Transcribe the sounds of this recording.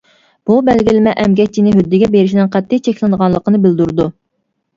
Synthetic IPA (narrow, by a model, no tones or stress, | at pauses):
b̥ubɛlɡʲilɪmɛʔɛmɡʲɛk̚ʲt͡ʃʰːinɪɦød̪ːɪɡʲɛbeɾɪʃ̬id̪ɪnqʰæt̪ʰːɪt͡ʃʰɛkʲlɨnəʁɑnlˠəqənɨbɪld̪uɾɨd̪u